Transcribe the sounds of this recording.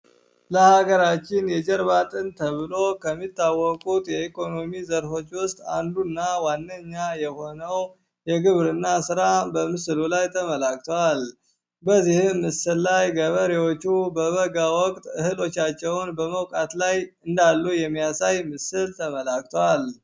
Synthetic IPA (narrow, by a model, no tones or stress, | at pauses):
ləhaɡəɾat͡ʃːɪnjɛd͡ʒɛɾβat̪ʼɨnt̪ʰəβɨlo̞kʰəmːit̪ːawːɔkʼut̪jɛikʰo̞no̞mizəɾfo̞t͡ʃːwʊst̪ʼa̰nd̪unːawanːəɲːajɛho̞nəw | jɛɡɨβɾɨnːasɨɾabəmɨsɨlulajt̪ʰəməlak̚t̪ʰowal | bəzihɨmːɨsɨlːajɡəβəɾewot͡ʃːubəβəɡawɔkʼt̪ʼɨhɨlo̞t͡ʃːat͡ʃːɛwnbəməwkʼat̪lajɨnd̪alːujɛmːijasajmɨsɨlt̪ʰəməlak̚t̪ʰowal